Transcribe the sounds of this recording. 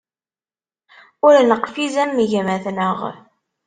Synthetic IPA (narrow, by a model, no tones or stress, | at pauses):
ʊɾnəqfizæmːiʝæmæθnəʁ